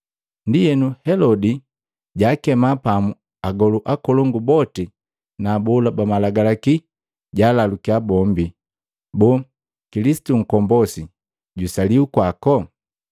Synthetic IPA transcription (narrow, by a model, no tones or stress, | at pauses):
ndijɛnuhɛlɔdi | ɟaːkɛmapamu | aɡɔluʔakɔlɔŋɡubɔti | naːbɔlabamalaɡalaki | ɟaːlalukiabɔmbi | bɔː | kilisi̥tuŋ̩kɔmbɔsi | ɟusaliukwakɔ